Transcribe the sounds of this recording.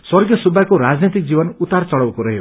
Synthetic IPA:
swʌrɡjʌsubʱakoɾad͡znit̪ik̚d͡zibʌnut̪art͡sʌɽʌwkoɾʌɦiɦo

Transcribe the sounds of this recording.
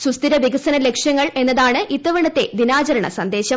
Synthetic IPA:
sust̪iɾɐʋiɡɐsɐnɐle̞kʂjɐŋːɐɭe̞nːɐðaːɳɨʔit̪ːɐʋɐɳɐt̪ːe̞d̪inaːt͡ɕɐɾɐɳɐ̰sɐnd̪e̞ːɕɐ

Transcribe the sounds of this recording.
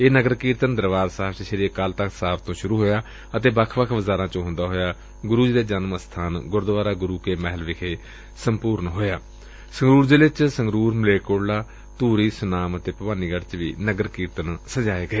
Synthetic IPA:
eːnəɡəɾkiːɾt̪ənd̪əɾʋaːzsaːbt͡ʃəʃəɾikəlt̪əksaːbt̪õːʃʊɾuːɦoːjaː | ət̪eːbəkʰʋəkʰʋəzaːɾãːt͡ʃõːɦʊ̃nd̪aːɦoːjaː | ɡʊɾuːd͡ʒd̪eːd͡ʒənməst̪ʰaːnɡʊɾd̪ʋaːɾaːɡʊɾuːkeːmɛːɦəlʋɪkʰeː | səmpuːɾnɦoːjaː | səŋɡɾuːɾd̪eːʋɪt͡ʃsəŋɡɾuːɾmleːkoːɽlaː | t̪uːɾiːsʊnaːmət̪eːpəʋaːniːɡəɽt͡ʃʋḭːnəɡəɾkiːɾt̪ənsəd͡ʒaːeːɡəeː

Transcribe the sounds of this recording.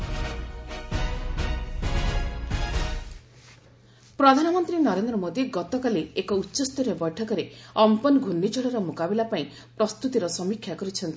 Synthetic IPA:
pɾɔd̪ʱanɔmɔnt̪ɾinɔɾend̪ɾɔmod̪iɡɔt̪ɔkaleekɔutːɔst̪ɔɾjɔbɔjʈʰɔkɔɾeɔmpɔnɡʱunːit͡ʃɔɭɔɾɔmokabilapaĩ | pɾɔst̪ut̪iɾɔsɔmikʰjakɔɾit͡ʃʰɔnt̪ʰi

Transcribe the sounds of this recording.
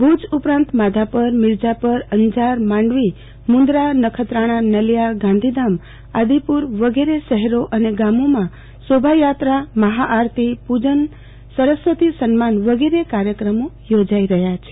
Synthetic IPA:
bʱud͡ʒupɾãnt̪mad̪ʱapəɾmɪɾd͡ʒapəɾəɲd͡ʒaɾmãɳɖʋi | mũnd̪ɾanəkʰət̪ɾaɽ̃ãnəljaɡãnd̪ʱid̪am | ad̪ipuɾʋəɡeɾeʃəɦɛɾoʔəneɡamomã | sobʱajat̪ɾaməɦaʔaɾt̪ʰipud͡ʒən | səɾəsʋət̪isənmanʋəɡeɾekaɾjəkɾəmo | jod͡ʒaiɾəɦjat͡ʃʰe̥

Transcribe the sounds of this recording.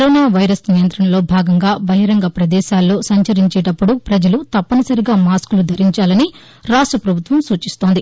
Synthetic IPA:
ɾoːnaːʋɐjɾɐsnijɐnt̪ɾɐnɐlo̞ːbʱaːɡɐŋɡaːbɐɦiɾɐŋɡɐpɾɐd̪ɛːʃaːlːo̞ːsɐɲt͡ʃɐɾiɲt͡ʃeːʈɐpːuɽupɾɐd͡ʒɐlut̪ɐpːɐnɐsɐɾiɡaːmaːskulud̪ʱɐɾiɲt͡ʃaːlɐni | ɾaːʂʈrɐpɾɐbʱut̪ʋɐmsuːt͡ʃist̪o̞ːnd̪i

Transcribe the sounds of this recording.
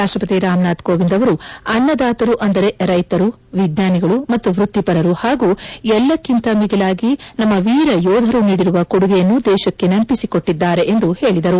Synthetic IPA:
ɾaːʂʈɾɐpɐt̪iɾaːmnaːt̪koːbind̪ɐʋɐɾuɐnːɐd̪aːt̪ɐɾuʔɐnd̪ɐɾe̞ɾɐjt̪ɐɾu | ʋid̪ɲaːniɡɐɭumɐt̪ːuʋɾut̪ːipɐɾɐɾuhaːɡuːɛlːɐkːint̪ɐmiɡilaːɡinɐmːɐʋiːɾɐjɔːd̪ʱɐɾuniːɽiɾuʋɐkoɽuɡejɐnːud̪ɛːʃɐkːe̞nɐmpisiko̞ʈːid̪ːaːɾe̞ʔend̪uhe̞ːɭid̪ɐɾu

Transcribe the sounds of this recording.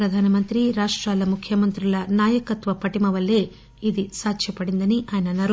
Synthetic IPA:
ɾɐd̪ʱaːnɐmɐnt̪ɾiɾaːʂʈɾaːlɐmukʰjɐmɐnt̪ɾilɐnaːjɐkɐt̪ʋɐpɐʈimɐʋɐlːe̞ː | id̪isaːkʃɐpɐɽind̪ɐniʔaːjɐnɐnɐɾ

